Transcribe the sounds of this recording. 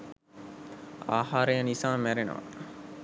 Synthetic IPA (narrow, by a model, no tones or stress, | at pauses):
a̰ːɦaːɾəjənisaːmæɾenə̰ʋɐ̰